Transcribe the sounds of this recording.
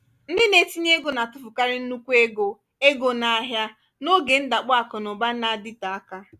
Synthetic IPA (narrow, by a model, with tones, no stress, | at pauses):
n̩˦dɪ˦ne˨ti˦ɲe˦ɡo˨na˨tʊ˦fʊ˨ka˦ɾɪ˦n̩˦nu˦kʷu˦e˦ɡo˨ | e˦ɡo˨na˦ɦja˦ | no˦ɡe˨n̩˦da˨k͡pɔ˦a˨kɔ˨nʊ˨ba˦na˨dɪ˦ta˨a˦ka˦